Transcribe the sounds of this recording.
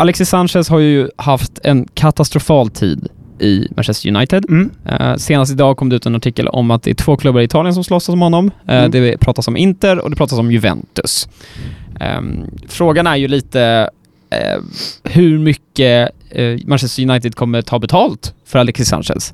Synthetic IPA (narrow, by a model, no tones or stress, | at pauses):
ʔalɛksɪsanɕɛlshajɵjɵhaft̪ʰɛnkʰat̪ast̪ɾʊfɑːlt̪ʰḭːd̪ | ʔɪ̰mæ̰nɕɛst̪əjɵ̰na̰jt̪ɪd̪ | seːnast̪ɪd̪ɑːkʰɔmd̪ɛʉ̟ːt̪ɛnaʈʰɪkːə̰lɔ̰mat̪̚d̪ɛ̰æʈʰv̥oːkʰlɵbːaɾɪt̪ʰɑːlɪənsɔmslɔsːasɔmhɔnːɔmd̪ɛpʰɾɑːt̪asɔmʔɪnt̪əɾɔ̰d̪ɛpʰɾɑːt̪asɔmjɵvɛ̰nt̪ɵs | fɾoːɡanæɾjɵliːt̪ə | hɵɾmʏkːə | manʃɛst̪əɾjɵnajt̪ɪd̪̚kʰɔmːəʈʰɑːbɛt̪ʰɑːlt̪fœɾalɛksɪsa̰nɕɛ̰ls